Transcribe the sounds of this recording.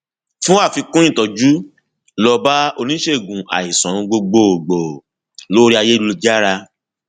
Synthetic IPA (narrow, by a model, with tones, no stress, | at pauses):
fũ˦a˦˨fi˧kũ˦ĩ˦˨tɔ˨d͡ʒu˦ | lɔ˧ba˦o˧nĩ˦ʃe˦˨ɡũ˨a̰˨i˨sɔ̃˨˧ɡ͡bo˧ɡ͡bo˨ɡ͡bo˨ | lo˦ɾi˦a˧je˦u˧o˧d͡ʒa˦ɾa˧